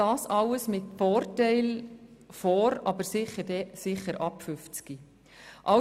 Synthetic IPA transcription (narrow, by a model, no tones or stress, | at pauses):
ɑːsɑləsmɪtfoːrtɛɪlfɔːɾɑbəɾsɪχədɛsɪχəɾʔɑpfʏft͡ski | ʔɑ